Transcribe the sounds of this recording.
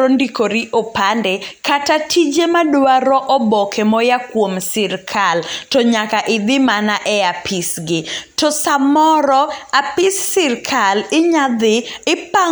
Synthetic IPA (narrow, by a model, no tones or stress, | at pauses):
ondikoɾiʔopandɛkatatʰid͡ʒemadwaɾɔʔɔbɔkʰɛmɔjakwomsɪrkʰaltɔɲakaʔɪd̪ɪmanaʔɛapʰɪsɡɪtɔsamɔɾɔapɪsːɪrkʰalɪɲad̪ɪɪpa